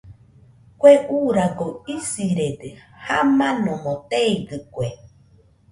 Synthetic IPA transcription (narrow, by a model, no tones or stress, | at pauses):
kʷeʔuɾaɡoisiɾed̪e | hamãnõmõt̪eiɡɨkwe